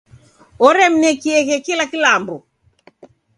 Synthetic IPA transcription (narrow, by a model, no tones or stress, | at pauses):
ɔɾɛm̩nɛkiɛɣɛkilakilambɔ